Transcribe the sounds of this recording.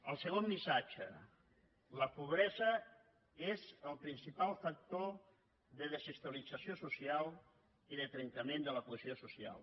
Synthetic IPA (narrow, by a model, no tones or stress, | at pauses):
əlˠsəɣ̞omːisat͡ʃə̰ | ləpuβ̞ɾɛzə | ezəlˠpɾinsipalˠfək̚t̪o | ðəðəzəst̪uəlidd͡zəsjosusialˠ | iðət̪ɾəŋk̪əmẽnd̪ələkuəziosusia̰lˠ